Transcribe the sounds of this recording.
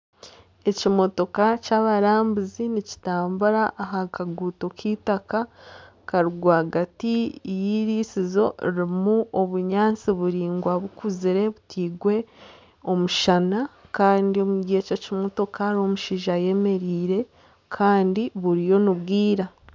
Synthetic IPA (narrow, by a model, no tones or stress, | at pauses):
e̞cimo̞to̞kacaːβaɾaːmbuzinici̥taːmbuɾaʔːɦakaɡuːtokʰiːtaka | kaɾuɡwaɡatijiːɾiːsizo̞iɾimuoβuɲaːnt͡siβuɾiːŋɡwaβukuziɾe̞βutʰiːɡwe̞ | o̞muʃanakaːndio̞muɟiececimo̞to̞kaɾo̞muʃiʒaje̞me̞ɾiːɾe̞ | kʰaːndiβuɾijo̞nuβɡiːɾa